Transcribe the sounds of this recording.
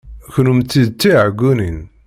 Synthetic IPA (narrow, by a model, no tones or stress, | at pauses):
çnumt͡sːiðt͡s̪ːiʕɡunin